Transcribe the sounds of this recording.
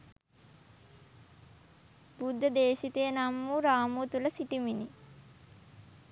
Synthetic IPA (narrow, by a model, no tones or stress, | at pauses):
bud̪ʱːəd̪eːʃit̪ejənamːuɾaːmut̪uləsiʈimini